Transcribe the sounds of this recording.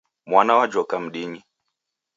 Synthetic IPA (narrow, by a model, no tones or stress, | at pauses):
mwanawad͡ʒɔkam̩ɗiɲi